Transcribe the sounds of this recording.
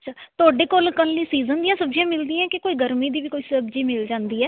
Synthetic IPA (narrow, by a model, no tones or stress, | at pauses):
əʃʰaːt̪ʊaːɖeːkoːlkəlːiːsiːzənd̪ĩːãːsəbd͡ʒjãːmɪld̪ĩːãːkɪkoːiːɡəɾmiːd̪iːʋiːkoːiːsəbd͡ʒiːmɪld͡ʒãːnd̪iːɛː